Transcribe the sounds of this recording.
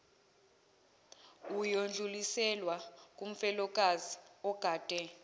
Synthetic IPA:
ujond͡ɮʱulisɛlwakʼum̩fɛlɔk̬ʼaziɔɡ̥ʱaːd̥ʼʱɛ

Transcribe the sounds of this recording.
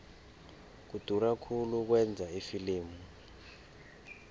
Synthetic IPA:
k̬ud̥ʱurakʰuluk̬wɛnd͡zʱaifiliːmu

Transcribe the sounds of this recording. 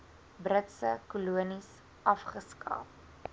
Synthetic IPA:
brətsəkuluənis | ɐfχəskɑ̰ːp̚

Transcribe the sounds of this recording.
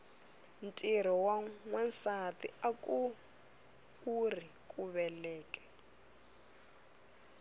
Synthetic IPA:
ntʼiɾ̤ɔwaŋwɛnsatḭakʼu | urikʼuβɛlɛːkʼɛ̥

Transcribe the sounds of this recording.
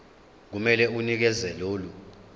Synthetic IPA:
k̬umɛlɛunik̬ɛzɛloːlu

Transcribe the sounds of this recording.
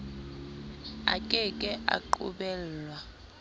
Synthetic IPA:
akʼɛkʼɛʔa̰ǃṵɓɛːlwa

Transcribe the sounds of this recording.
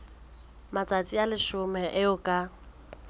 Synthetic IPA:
mat͡sʼat͡sʼialɪʃʊmɛʔɪʊkʼa

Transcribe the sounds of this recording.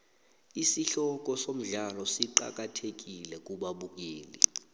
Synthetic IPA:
isiɬɔk̬ɔsom̩ɮalɔsiǃa̰k̬atʰek̬ilɛk̬ʼuɓaɓuk̬eːlḭ

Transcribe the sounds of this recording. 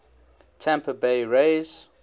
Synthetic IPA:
tʰæ̃mpʰəbeɪɹeɪz̥

